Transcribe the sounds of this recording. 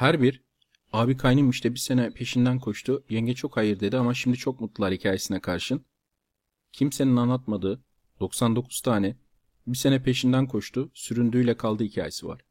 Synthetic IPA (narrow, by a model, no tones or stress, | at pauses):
hæɾbiɾ | aːbikʰajnɯmiʃt̪ɛbise̞nɛpʰe̞ʃind̪ænkʰo̞ʃt̪ʰujɛɲɟɛt͡ʃʰo̞khajɯɾd̪e̞d̪iamaʃimd̪it͡ʃʰo̞k̚mut̪lˠɯlˠaɾhicʰaːje̞sinɛkʰaɾʃɯn | cʰimse̞ninanlːˠat̪̚mad̪ɯː | d̪̥o̞ksand̪o̞kʰu̥z̥t̪ʰaːnɛ | bise̞nɛpʰe̞ʃind̪ænkʰo̞ʃt̪ʰʊsyɾynd̪yːjlʲɛkʰalˠd̪ɯhicʰa̰ːjesiva̰ɾ̥